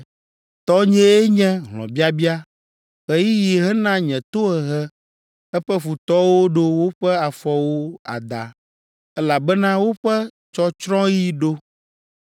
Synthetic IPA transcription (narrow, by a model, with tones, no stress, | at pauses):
t̪ɔ˦ɲɛ̃˦e˦ɲɛ̃˦ɦlɔ̰̃˨bi˦a˦bi˦a˦ | xɛ˦ji˦ji˨ɦɛ˦nã˦ɲɛ̃˨t̪o˦ɛ˨ɦɛ˦ | ɛ˦ɸɛ˦fu˨t̪ɔ˦wo˦ɖo˦wo˦ɸɛ˦a˨fɔ˨wo˦a̰˨d̪a̰˨ | ɛ˦la˨bɛ˦nã˦wo˦ɸɛ˦ | t͡ʃɔ˦t͡ʃɾɔ̃˦ji˦ɖo˦